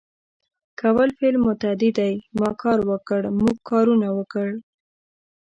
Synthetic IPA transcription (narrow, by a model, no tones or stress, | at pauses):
kawəlfelmːʊt̪ad̪ɪd̪ajmɑkʰɑɾwəkəɽmuɡ̚kɑɾunawəkəɽ